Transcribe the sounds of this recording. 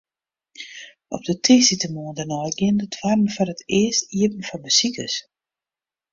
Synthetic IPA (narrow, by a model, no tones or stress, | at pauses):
ʔɔ̰p̚dətʰisitəmoːndənɔjɡɪndətʰwarn̩fɔrətʰɪəstiəp̚n̩fɔbəsikəs